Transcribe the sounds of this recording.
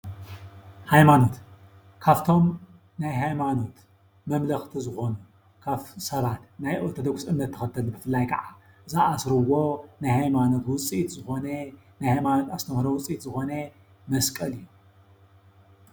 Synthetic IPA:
hajmano̞t̪ | kʰaβt̪ʰo̞m | najɦajmano̞t̪ | mɐmlɐxt̪ʰizɨxo̞nu | kʰaβsɐβat̪najʔot̪ʰod̪oɡsʔɨmːɐt̪ʰːɨxɐt̪ʰːɐlbɨfɨlːajkʰɐʕa | zaʔasɾɨwo̞najhajmano̞t̪wʊt͡sʼit̪zɨxo̞nɐ | najhajmano̞t̪ast̪ʰɐmhɾɐwʊt͡sʼit̪zɨxo̞nɐ | mɐskʼɐlɨjːu

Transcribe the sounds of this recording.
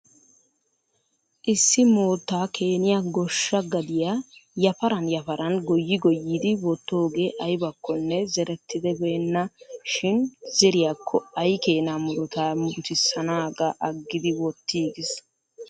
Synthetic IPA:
ʔɪsːɪmoːt̪ːaːkʰe̞ːnɪjaɡɔʃːɐɡɐd̪ɪjajɐfɐɾɐnjɐfɐɾɐnɡɔjːɪɡɔjːiːd̪ɪwɔt̪ːo̞ːɡe̞ːʔɐjbɐkːɔnːɛzɛɾɛt̪ːɪd̪ɛbeːnːɐʃɪnzɛɾɪjakʰːɔɐjkeːnamʊɾʊt̪aːmbʊt̪ɪsːɐnaːɡɐʔɐɡːɪd̪ɪwɔt̪ːiːɡɪs

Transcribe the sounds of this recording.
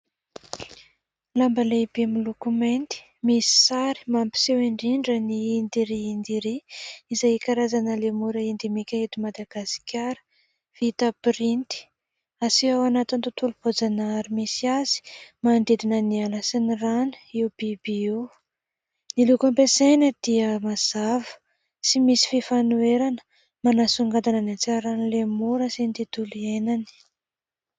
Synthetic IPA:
lambəlebemilukument̪i̥ | misi̥saɾi̥mampi̥seweɳɖ͡ʐiɳɖ͡ʐəniːnd̪iɾiind̪iɾiizajkaɾazanəlemuɾəind̪imikʲaet̪imad̪aɡasi̥kʲʰaɾə̥ | v̥it̪apɾint̪i̥ | asiawanat̪int̪ut̪ulupod͡zanaɾimisiaz̥i̥mand̪ed̪inənialasiniranə̥iub̥ibiiw | nilukampesenəd̪̥iəmaz̥avə̥ | simisi̥fifanueɾanə̥ | manasuŋɡad̪ananat͡saɾanilemuɾəsint̪it̪ulienani̥

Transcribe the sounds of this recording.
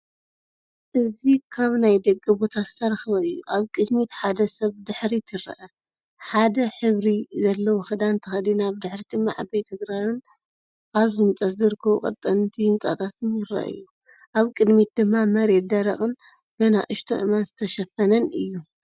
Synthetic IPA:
ʔɨzikʰaβnajd̪ɐkʼːibo̞t̪ʰazɨt̪ʰɐɾɐxɨβɐɨjːuʔaβkʼɨd̪mit̪ħad̪ɐsɐβd̪ɨħɾit̪ʰɨɾɐ̰ʔɐ | ħad̪ɐħɨβɾizɐlːɐwoxɨd̪ant̪ʰɐxɐd̪inaβd̪ɨħɾid̪ɨmːaʕa̰bɐjt̪ʰɨɡɾaɾɨn | ʔaβhɨnt͡sʼɐt̪zɨɾɨkʰːɐβukʼɐ̰t̪ʼːɐnt̪ʰihɨnt͡sʼa̰t̪ʰat̪ʰɨnjɪɾɐ̰ʔɨ̰jːu | ʔaβkʼɨd̪mit̪̚d̪ɨmːamɐɾe̞t̪̚d̪ɐɾɐχʼɨn | bɐna̰ʔɨʃt̪ʰo̰ʔɨ̰manzɨt̪ʰɐʃɐfːɐnɐnɨjːu

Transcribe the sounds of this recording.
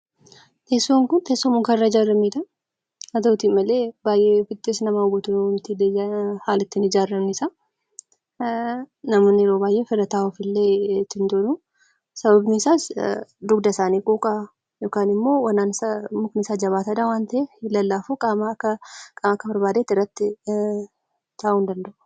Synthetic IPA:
t̪eːsːoːŋkʊnt̪eːsːɔmʊŋkɐɪrːad͡ʒaːrːɐmiːd̪ɐ | ɐt̪ot̪iːmɐleːbaːjʔefɪt̪ːɪsnɐmaːʊbɔt̪ʊnt̪ɪled͡ʒhaːlɪt̪ːɪnɪd͡ʒaːrːɐmnɪsa | nɐmoːnːɪɾo̞ːbaːjʔeːfɪɾɐt̪aːɔfɪlːeːt̪ːɪnd̪onu | sɐbɐbnɪsaːsd̪ʊɡd̪ɐsaːniːkʼokʼa | jo̞ːkaːnɪmːo̞ːwɐnːaːnɪsɐmʊknɪsaːd͡ʒɐβaːt̪ɐd̪awaːnt̪ɐʔeɪlːɐlːaːfuːkʼaːmɐkːɐkʼaːmɐkːɐbɐɾbaːd̪eːt̪ːɪrːɐt̪ːɪ | t̪ʰaːʔuːnd̪ɐnd̪ɐʔʊ̥

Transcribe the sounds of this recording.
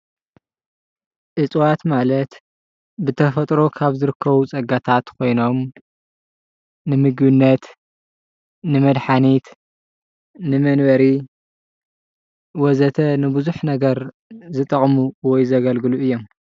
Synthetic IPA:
ʔɨt͡sʼwat̪malɐt̪ | bɨt̪ʰɐfɐt̪ʼɾo̞kʰaβzɨɾɨkʰːɐβut͡sʼɐɡat̪ʰat̪kʰo̞jno̞m | nɨmɨɡbɨnːɐt̪ | nɨmɐd̪ħanit̪ | nɨmɐnbɐɾi | wɔzɐt̪ʰɐnɨbɨzuħnɐɡɐɾ | zɨt̪ʼɐχʼmuwɔjzɐɡɐlɡɨluʔɨjːom

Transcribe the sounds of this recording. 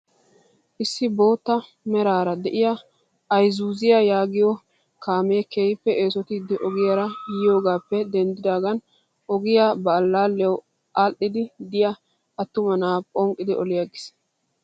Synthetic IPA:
ʔɪsːɪbo̞ːt̪ːɐ | mɛɾaːɾɐd̪ɛʔɪjɐ | ɐjzuːzɪjɐjaːɡɪjɔ | kaːmeːkeːjpːɛʔeːsɔt̪id̪ɪʔɔɡɪjɐɾɐjɪjo̞ːɡaːpːɛd̪ɛnd̪ɪd̪aːɡɐn | ʔɔɡɪjabɐːlːaːlːɛw | ʔalʔɪd̪ɪd̪ɪjɐ | ɐt̪ːʊmɐnaːpʼɔŋkʼːɪd̪ɪʔɔlɪjɐɡɪ̥s

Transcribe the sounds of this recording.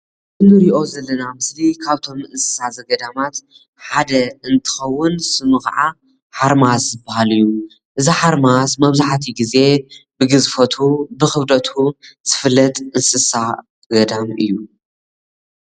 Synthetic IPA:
ʔɨnɨɾiʔo̞zɐlːɐnamɨslikʰaβt̪ʰo̞mɨnsɨ̥sazɐɡɐd̪amat̪ | ħad̪ɐɨnt̪ʰɨ̥xɐwːʊnsɨmɨxʕa | ħaɾmaszɨbahalɨjːu | ʔɨziħaɾmazmɐβzaħt̪ʰiɡize̞bɨɡɨzfɐt̪ʰubɨxɨβd̪ɐt̪ʰuz̥ɨfɨlːɐt̪ʼɨnsɨsa | ɡɐd̪amɨjːu

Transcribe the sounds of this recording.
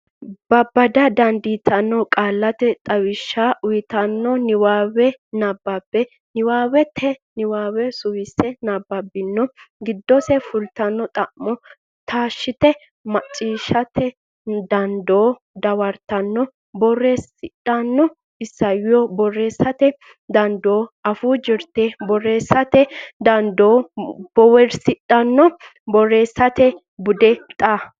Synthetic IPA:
bɐbːɐd̪ɐd̪ɐnd̪it̪ʰɐnːɔkʼaːlːɐt̪ɛt̪ʼɐwɪʃːaːʔʊjɪt̪ɐnːɔnɪwaːwɛnɐbːɐbːɛ | nɪwaːwɛt̪ʰːɛnɪwaːwɛsʊwɪsːɛnabːɐbɪnːɔɡɪd̪ːɔsɛfʊlt̪ɐnːɔt̪ʼɐʔmɔ | t̪ʰaːʃːɪt̪ɛ | mɐt͡ʃʼːiːʃɐt̪ʰɛ | d̪ɐnd̪oː | d̪ɐwɐɾt̪ɐnːɔ | bɔrːesɪᶑɐnːɔ | ɪsːɐjɪjɔbɔrːeːsɐt̪ɛ | d̪ɐnd̪oːɐfud͡ʒɪɾt̪ebɔrːeːsɐt̪ɛd̪ɐnd̪oːbɔwɛɾsɪᶑʼɐnːɔ | bɔrːeːsːɐt̪ɛ | bʊd̪ɛt̪ʼaː

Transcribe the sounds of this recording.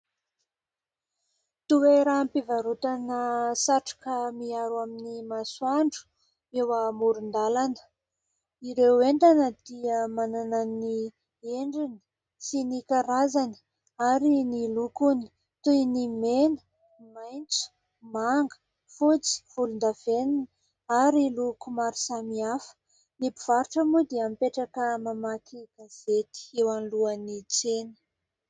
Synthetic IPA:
t̪uweɾaːmpivaɾut̪anəsaʈ͡ʂḁkəmiaɾaminimasuaɳɖ͡ʐu̥ | ewamuɾund̪alanə̥ | iɾeweɳɖ͡ʐanəd̪̥iəmananani | eɳɖ͡ʐinə̥ | sinikaɾazanə̥ | aɾinilukunə̥ | t̪ujnimenə̥ | majnt͡su̥ | maŋɡə̥ | fut͡si̥v̥ulund̪avenini | aɾilukumaɾi̥samiafə̥ | nipiv̥aɾuʈ͡ʂəmud̪iamipeʈ͡ʂakəmamakʰiɡ̥az̥et̪i̥ewanluənit͡senə̥

